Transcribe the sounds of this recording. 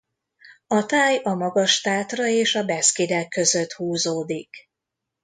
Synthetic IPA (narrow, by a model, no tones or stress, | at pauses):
ɒt̪aːjɒmɒɡɒʃt̪aːt̪rɒeːʃɒbɛskid̪ɛkːø̞zø̞t̪huːzoːd̪ik